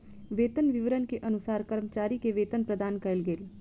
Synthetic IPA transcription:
ʋeːt̪ənʋɪʋəɾənkeʔɐnʊsaːɾkəɾmət͡ʃaːɾikeʋeːt̪ənpɾəd̪aːnkɐlɡeːl

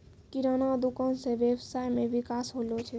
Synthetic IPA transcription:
kiɾanad̪ukənsẽʋeʋsajmẽʋikasɦolot͡ʃʰɛ

